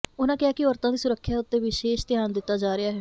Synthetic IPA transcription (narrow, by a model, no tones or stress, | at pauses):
ʊnãːkɪaːkɪɔːɾt̪ãːd̪iːsʊɾəkʰːjaːʊt̪ːeːʋɪʃeːʃt̪ɪjaːnd̪ɪt̪ːaːd͡ʒaːɾɪaːɦɛː